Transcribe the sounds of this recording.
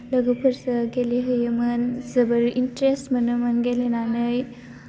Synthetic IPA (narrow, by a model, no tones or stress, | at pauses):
ləɡəpʰəɾsəɡeleɦəjəmənzəbəɾʔinʈɾesʈmənəmənɡelenanəj